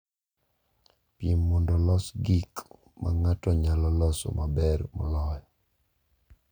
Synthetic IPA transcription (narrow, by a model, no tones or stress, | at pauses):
piɛmːɔndɔlɔsɡik | ma̰ŋatɔɲalɔlɔsɔ̰mabɛɾmɔ̰lɔjɔ